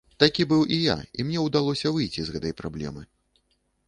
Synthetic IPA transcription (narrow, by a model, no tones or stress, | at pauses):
t̪akʲibɨwʔija̰imnʲɛwd̪alˠɔsʲɐvɨjt͡sʲizɣɛt̪ɐjpɾablʲɛ̰mɨ